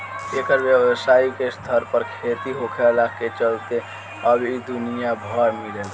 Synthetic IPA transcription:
ekəɾbjəwsaikest̪ʰəɾpəɾkʰet̪iɦokʰɛlaket͡ʃəlt̪e | əbid̪unijabʱəɾmilel

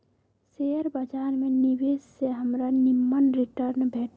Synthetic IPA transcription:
seːəɾbəd͡ʒaːɾmẽniʋeːsseɦəmɾanɪmːənɾiʈəɾnbʱeːʈ

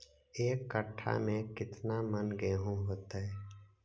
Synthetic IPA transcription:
eːkːəʈʰːa̰mẽkɪt̪namənɡeːɦũɦoːt̪aɛ

